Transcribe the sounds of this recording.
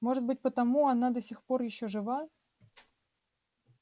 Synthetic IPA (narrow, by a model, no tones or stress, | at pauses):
moʐɨt̪̚bɨt̚ʲpət̪amuanad̪ɐsʲixporjɪɕːoʐɨva